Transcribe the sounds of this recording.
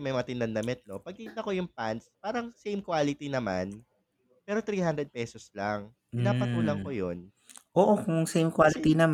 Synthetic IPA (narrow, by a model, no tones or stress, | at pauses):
mɐjmɐɐt̪ɪnd̪ɐnd̪ɐmɛt̪̚no̞pɐɡ̚t̪iːt̪ɐko̞jʊŋpanspaːɾɐŋsejmkwaːlɪt̪inɐma̰n | pɛːɾo̞t̪ɾiːhand̪ɾɛd̪̚pɛːsoslaŋ | pɪnaːpɐt̪uːlɐŋkojon | ʔoːʔokʊŋŋsejmkwalɪt̪inɐm